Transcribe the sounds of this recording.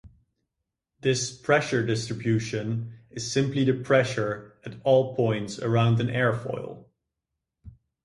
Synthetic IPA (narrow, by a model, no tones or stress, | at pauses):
ðɪspʰɹ̥ɛʃə˞dɪstɹ̥ɨbjʉʃɨ̃nɨz̥sɪ̃mpliðɨpʰɹ̥ɛʃə˞ɨɾɔlˠpʰɔ̃ɪ̃ntsə̰˞ãʊ̃ndɨ̃nɛɹfɔ̰ɪlˠ